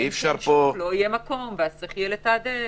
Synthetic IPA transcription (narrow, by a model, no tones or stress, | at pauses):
ifʃaɾpoloijemako̞mveaseχjelet̪ad̪e